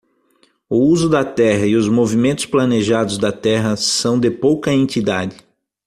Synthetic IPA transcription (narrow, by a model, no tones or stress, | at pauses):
ʊuzʊd̪ɐt̪ɛɦɐɪʊzmovimẽnt̪ʊ̥splɐneʒad̪ʊzd̪ɐt̪ɛɦɐsɐ̃w̃d̪ɪpowkɐẽnt͡ʃ̪id̪adɪ